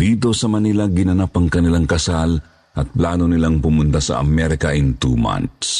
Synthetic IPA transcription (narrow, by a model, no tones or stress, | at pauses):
d̪iːt̪̬o̞sɐmɐnilaɡɪnɐnapɐŋkɐnɪlaŋkɐsal | ʔɐt̪̚plaːnonɪlaŋpʊmʊnt̪asɐ̰ʔɐ̰mɛɾɪkɐʔɪnt̪uma̰nt̪s